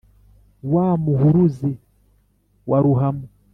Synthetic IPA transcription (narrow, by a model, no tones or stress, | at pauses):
wamuhuɾuzi | wʔaɾuɦamu